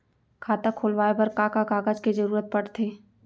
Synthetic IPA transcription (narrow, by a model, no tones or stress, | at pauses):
kʰaːt̪akʰoːlʋaːebɐɾkaːkakaːɡad͡ʒked͡ʒɐɾuːɾət̪̚pɐɽt̪ʰeː